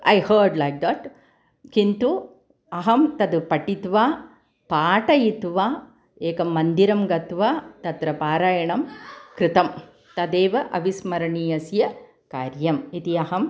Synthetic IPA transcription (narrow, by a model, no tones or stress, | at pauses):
ɐjhɐɾɖlɐjk̚d̪ɐʈ | kint̪u | ɐɦɐmt̪ɐd̪upɐʈit̪ʋaː | paːʈɐjit̪ʋaː | eːkɐmːɐnd̪iɾɐmɡɐt̪ʋaːt̪ɐt̪ɾɐpaːɾaːjɐɳɐmkɾɪt̪ɐm | t̪ɐd̪eːʋɐʔɐ̰ʋismɐɾɐɳiːɐsjɐ | kaːɾjɐmit̪iɐɦɐm